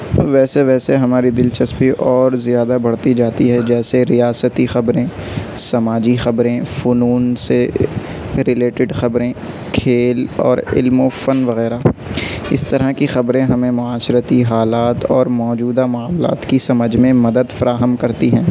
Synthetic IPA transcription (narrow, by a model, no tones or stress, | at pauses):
ʋɛːseʋɛːseɦɐmaːɾid̪ɪlt͡ʃɐspiʔɔːɾzijaːd̪abɐɽt̪id͡ʒaːt̪iɦɛd͡ʒɛːseɾijaːsət̪ixɐbɾẽ | sɐmaːd͡ʒixɐbɾẽfʊnuːnse | ɾɪleːʈɪɖxɐbɾẽ | kʰeːlɔ̰ːɾɪ̰lmofɐnʋɐɣɛːɾa | ɪ̰st̪ɐɾakixɐbɾẽɦɐmẽmʊaːʃɾət̪iɦaːlaːt̪ɔːɾmɔːd͡ʒuːd̪amʊaːmla̰ːt̪kisɐməd͡ʒmẽmɐd̪əd̪fɐɾaːɦəmkɐɾt̪iɦɛ̃ː